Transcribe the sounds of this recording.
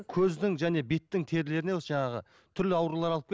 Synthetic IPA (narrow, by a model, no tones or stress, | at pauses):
kʲʰɵzd̪ɪŋʒæne̞be̞t̪ːɪŋt̪ʰe̞ɾle̞ɾɪnewsʒɑɴɑʁə̰ | t̪ʰʏɾlɪɑwɾulˠɑɾɑlˠəp̚kʰʲe